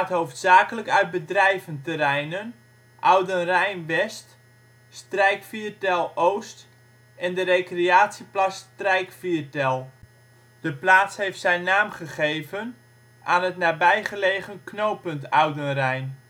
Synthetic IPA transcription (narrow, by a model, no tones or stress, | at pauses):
tɦowftsaːkələkœɥt̚bədrɛjvəntərɛjnən | ʔawdənrɛjnʋɛst | strɛjkfitɛlˠowst | ɛndərekreaːsiplastrɛjkfiərtɛlˠ | d̥əplaːtshejftsɛjnːaːmχəχejvən | ʔaːnətnaːbɛjχəleːχənknowpəntawdənrɛjn